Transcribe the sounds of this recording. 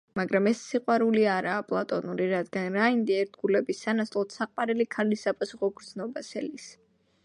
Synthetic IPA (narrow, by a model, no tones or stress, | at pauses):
maɡɾamɛsːiqʼwaɾuliaɾaːpʼlˠat̪ʼɔnuɾiɾad̪ɡanɾaind̪iɛɾd̪ɡulɛbisːanaslˠɔt̪saqʼwaɾɛlikʰalisːapʼasuχɔɡɾd̪znɔbasɛlis